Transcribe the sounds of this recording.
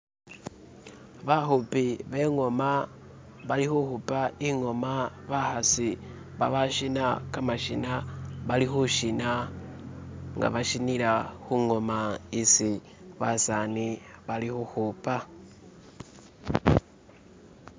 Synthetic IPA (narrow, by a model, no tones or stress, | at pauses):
βaxupiβe̞ŋo̞ma | βalixuxupaiŋo̞ma | βaxasi | βa̰βaʃinakamaʃinaβalixuʃina | ŋɡa̰βaʃinilaxuŋo̞maisi | βasaniβalixuxupa